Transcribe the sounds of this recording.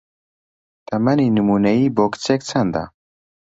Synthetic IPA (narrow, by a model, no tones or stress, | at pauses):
t̪amaninɨmunaibokt͡sek̚t͡sʰand̪a̰